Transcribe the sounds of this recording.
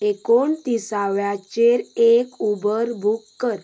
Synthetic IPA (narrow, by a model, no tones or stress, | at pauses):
ekoɳt̪isaʋjat͡ɕeɾekubəɾbʱukːəɾ